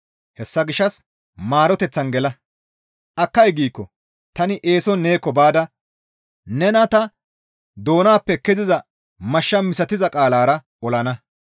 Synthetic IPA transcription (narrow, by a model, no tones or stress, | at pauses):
hɛsːɐɡɪʃːɐs | maːɾɔt̪ɛt͡sːɐnɡɛlɐ | ʔɐkːɐjɡiːkːɔ | t̪ɐnɪʔeːsɔnːe̞ːkːɔbaːd̪ɐ | nɛnɐt̪ɐ | d̪o̞ːnaːpːɛkːɛzɪzɐ | mɐʃːɐmɪsɐt̪ɪzɐkʼaːlaːɾɐ | ɔlɐnɐ